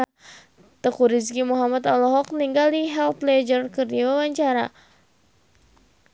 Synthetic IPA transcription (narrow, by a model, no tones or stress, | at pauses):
t̪əkuɾiskimuɦamat̪alɔɦɔk̚niŋɡaldiɦɛlt̪lɛd͡ʒərkɨrdiwawaɲt͡ʃaɾa̰